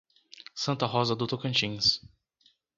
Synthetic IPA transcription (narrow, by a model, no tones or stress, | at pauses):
sɐ̃nt̪ɐɦɔzɐd̪ut̪okɐ̃nt͡ʃĩs